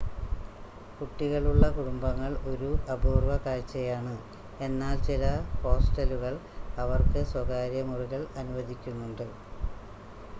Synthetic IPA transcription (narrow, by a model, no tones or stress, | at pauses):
kuʈːiɣɐɭuɭːɐkuɽumbɐŋːɐɭo̞ɾuʔɐbʱuːrʋɐkaːɻt͡ɕːɐjaːɳɨ | e̞nːaːlt͡ɕilɐho̞ːsʈɐluɣɐɭɐʋɐrkɨswɐɣaːɾjɐmuriɣɐɭɐnuʋɐd̪ʱikʲːunːuɳɖɨ